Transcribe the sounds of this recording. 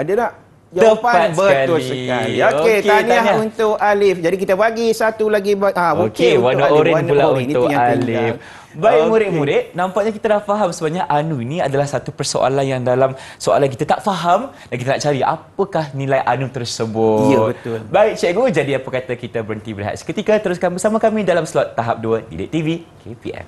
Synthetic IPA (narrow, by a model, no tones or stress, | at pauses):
adanaʔ | d͡ʒt̪əapat̪̚bəat̪ʊlisəkaliokoetk̪aniaunt̪ʊkalɪfd͡ʒadik̬it̪əbaɡisat̪ulaɡibaãokewanuʔoɾɪulaunʊkalɪf | baɪmuɾɪʔmũɾɪʔ̪̚nãmpaʔɲakit̪anaʔfaɦamsəbaɲaʔanuinĩadalahsat̪upərso̰ʔa̰lanjaŋdalamsoa̰lank̬it̪at̪aʔfaɦamdankit̪anaʔt͡ʃaɾiʔa̰pəkahnĩlajʔanũt̪ərsəbʊt̪bətʊlbaɪk̚t͡ʃɛʔɡod͡ʒadiapəkat̪akit̪əbəɾənt̪ibəɾɦa̰t̪skət̪ikat̪əɾʊskanbəsamakamĩdalamslɔt̪ːaɦap̚duədḭdɛʔ̚t̪ivikʰepḭɛ̰m